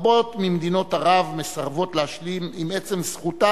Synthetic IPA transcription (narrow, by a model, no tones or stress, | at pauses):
bo̞t̪mimed̪ino̞t̪aʁavme̞saʁvo̞t̪leaʃlimimet͡se̞msχut̪a